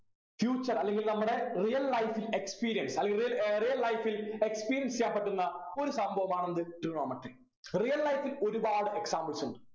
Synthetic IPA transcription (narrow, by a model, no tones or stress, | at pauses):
fjuːt͡ɕːɐrɐlːe̞ŋɡilnɐmːuɽe̞rijɐlːɐjfile̞kspiːɾijɐnsɐlːeŋɡiijɐrijɐlːɐjfile̞kspiːɾijɐnsijaːnpɐʈːunːɐo̞ɾusɐmbʱɐʋɐmaːɳenɐðɨʈruɳoːmɐʈːi | rijɐlːɐjfilo̞ɾubaːɽɨe̞ksaːmbɐlsuɳɖɨ̥